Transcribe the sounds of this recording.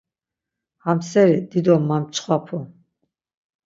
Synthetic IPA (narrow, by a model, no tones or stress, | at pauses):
hamsɛɾid̪id̪ɔmːamt͡ʃʰχwapʰu